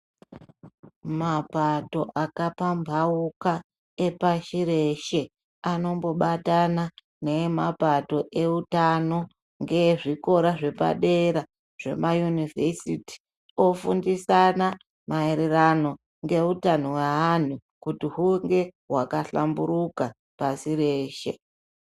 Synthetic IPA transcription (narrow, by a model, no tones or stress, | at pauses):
mapato̞ʔakapambʱauka | epaʃiɾe̞ʃe | ano̞mbo̞ɓatana | ne̞mapato̞ʔe̞utano̞ | ŋɡe̞ʐiko̞ɾaʐe̞pa̰ɗe̞ɾa | ʐ̥e̞̰majunivʱesiti̥ | o̞fundisana | maeɾe̞rano̞ | ŋɡe̞utanowaan̤ukutiɦuŋɡe̞ɦwakaɬambuɾuka | pasiɾe̞ːʃe̞̰